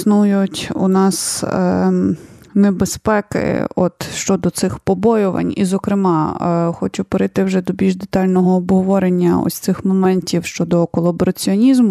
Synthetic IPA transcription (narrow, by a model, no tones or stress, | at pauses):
snujʊtʲṵnɑs | nebespɛkɪ̰ɔ̰t̪ʃt͡ʃɔd̪ɔt̪sɪxpɔbɔjʊʋɐ̰nʲḭzɔkɾɪmɑxɔt͡ʃʊpeɾɪt̪ɪwʒɛd̪ɔbʲilʲʒd̪et̪ɑlʲnɔɦɔːbɦɔʋɔɾenʲːɐɔ̰sʲt̪sɪxmɔmɛnʲtʲiwʃt͡ʃɔd̪ɔkɔlˠɐbɔɾɐt͡sʲiɔnʲizmʊ